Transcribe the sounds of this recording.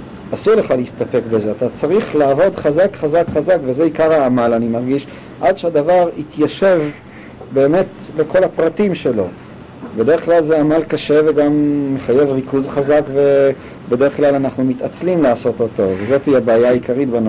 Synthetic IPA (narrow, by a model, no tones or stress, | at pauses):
asuʁleχaleistape̞kbe̞ze̞atat͡saʁiχlaːvo̞dχazakχazakχazakveze̞ikaʁaːmalanimaʁɡiʃ | ʔad̪ʃead̪avaʁit̪jaʃe̞v | be̞ːme̞tle̞kʰo̞lapʁatimʃe̞lo̞ | bede̞ʁeχklalzeamalkaʃe̞veɡamːeχaje̞vʁikʰuzχazakve̞ | be̞deʁeχklalanaχnumitat͡slimlaːso̞to̞to̞vezo̞tiabaːjaaikaʁitban